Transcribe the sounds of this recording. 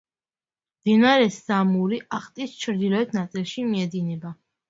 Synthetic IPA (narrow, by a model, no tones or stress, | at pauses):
md̪̥inaɾɛsamuɾiʔaχt̪ʼist͡ʃʰɾd̪ilɔɛt̪ʰnat̪sʼilˠʃimiɛd̪inɛba